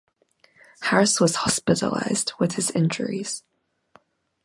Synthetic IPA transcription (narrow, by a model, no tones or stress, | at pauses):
hæɹɨswʌz̥hɑspɪɾə̰la̰ɪz̥dwɨð̥ɨzɪ̃nd͡ʒə̰˞ḭz̥